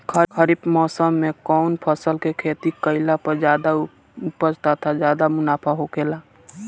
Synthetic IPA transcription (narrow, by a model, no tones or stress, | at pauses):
kʰəkʰəɾipmɔːsəmːẽkɔʊnpʰəsəlkekʰeːt̪ikəɪlapəɾd͡ʒaːd̪a | ʊpəd͡ʒt̪at̪ʰazjaːd̪amʊnaːpʰaɦokeːlaː